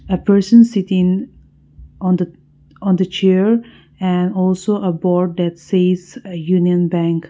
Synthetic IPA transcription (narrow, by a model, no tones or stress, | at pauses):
əpʰɜ˞sə̃nsɪtɪ̃ŋ | ɔ̃nd̪ə | ɔ̃nd̪ət͡ʃʰɛɹ | ɛ̃nɔlsoʔəbɔɹd̚d̪ætseɪzəjuniə̃nbæ̃ŋk